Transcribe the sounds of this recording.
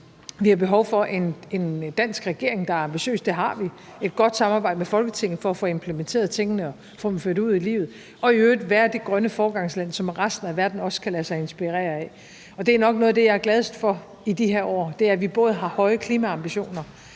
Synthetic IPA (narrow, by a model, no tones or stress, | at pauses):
ʋihɑ̈b̥e̝ɦɒʊfɒ̽ʔe̝ne̝nd̥æn̰sɡ̥ʁɛɡ̥e̝ɐ̰e̝ŋd̥ɑ̈æɐɑ̈mb̥iɕø̰ːsd̥eɦɑ̈ʋie̝d̥̚ɡ̥ɒ̽d̥sɑ̈mɑ̈ːbɑ̈ɪd̥əmefɒ̽lɡ̥ət͡sʰe̝ŋ̰n̩ˠfɒ̽æfoe̝mpʰlement͡sʰe̝̰ɐð̞̩ˠt͡sʰe̝ŋ̰ənəɒ | fɔ̽ːd̥em̩føɐ̰ɾ̥uð̰ˠilḭːʊð̩ˠ | ɒ̽iøːd̥ʋæːɐd̥e̝ɡ̥ʁɶnəfɒːɡ̥ɑ̈ŋslæn̰sɒ̽mʁasd̥n̩æʋæɐd̥n̩ɒ̽skʰælæsɑ̈ɪe̝nsb̥iʁḛːɐɛ | ɒ̽d̥e̝æɐnɒ̽ɡ̥nɔːð̞̩ˠd̥ejɑ̈æɐɡlɛð̞ˠsd̥fɒ̽ | id̥iɦeɐʔɒ̰ːd̥e̝æɐʋib̥ɔ̽ːð̞̩ˠɦɑ̈hɒ̽ɪəkʰliːmæɑ̈mb̥iɕo̝̰ːnɐ